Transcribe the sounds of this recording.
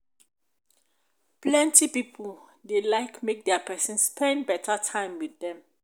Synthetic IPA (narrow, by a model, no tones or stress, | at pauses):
plɛ̃ntipipʰul | delaɪkmek̚dɛapʰɛsɛ̃nspʰɛ̃nbɛtʰatʰãɪ̃mwiθdɛ̃m